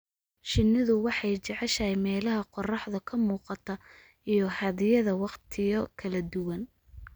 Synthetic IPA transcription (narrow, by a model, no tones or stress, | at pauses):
ʃɪnːɪðʊwɑħɑjt͡ʃɛʕɛʃɐjmɛːlɐɦɐqɔrɑħðɐkʰɐmuːqɑt̪ʰɐ | ijɞhɐðɪjɐðɐwɑqt̪ʰɪjɔkʰɐlɐd̪ʊwɐn